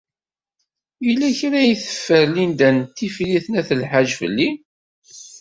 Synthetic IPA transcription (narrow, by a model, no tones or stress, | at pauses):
ilːæçɾæjiθə̥fːəɾlind̪ænt̪ːifliθnæθəlħaʒfə̰lːin